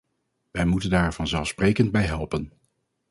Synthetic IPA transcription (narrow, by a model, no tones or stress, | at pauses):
ʋɛjmutəndaːɹv̥ɑnzɛlˠfsprejkəndbɛjɦɛlˠpən